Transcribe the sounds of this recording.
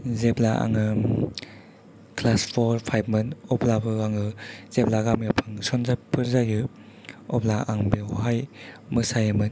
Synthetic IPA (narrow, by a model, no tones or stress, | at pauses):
zeplaʔa̰ŋɯ | kʰlaspʰɔɾpʰajb̚mɯnɔplabɯaŋɯz̥eplaɡamiapʰɯŋsɔnzapʰɯɾzajɯ | ɔplaʔaŋbewɦajmɯsajamɯn